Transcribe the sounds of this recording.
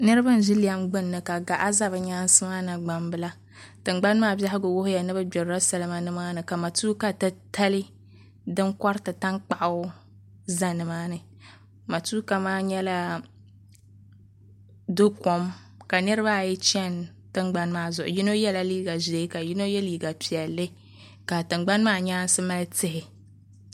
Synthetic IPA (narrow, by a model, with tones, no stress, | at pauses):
nɨ˦ɾɨ˦ba˦n̩˨ʒɪ˦li˦ja˦mɡ͡bɨ˦nːɨ˨ka˨ɡa˨ʔa˦za˦βɨ˨ɲaː˦n˦sɨ˦ma˦na˨ɡ͡ba˨mbɨ˦la˦ | tɨ˨ŋɡ͡ba˦n˦maː˦˨bja˦ɦɪ˦ɡʊ˨wʊ˦hʊ˦ja˨nɨ˦bɨ˦bɛ˨ɾɾa˦sa˨lɨ˦ma˦nɨ˦maː˦nɨ˨ka˨ma˨tuː˦ka˨tɨ˦ta˦li˦ | dɨ˦ŋkɔ˦ɾtɨ˨ta˦ŋk͡pa˨ʔa˦ | za˦nɨ˨maː˦nɨ˨ | ma˨tuː˦ka˨maː˦ɲɛ˦la˦ | dʊ˦kɔ˨m | ka˨nɨ˦ɾɨ˦ba˦˨jɛ˦t͡ʃɛ˦n | tɨ˦ŋɡ͡ba˦n˦maː˦zʊ˨ʔʊ̰˨ji˦no˦jɛ˦la˦liː˦ɡa˨ze˨˦ka˨ji˦no˦jɛ˦liː˨ɡa˨pi˨ɛ˨lːɨ˦ | ka˨tɨ˨ŋ͡mɡ͡ba˦nmaː˦ɲaː˦n˦sɨ˦ma˦lɨ˦tɪ˦hɪ˨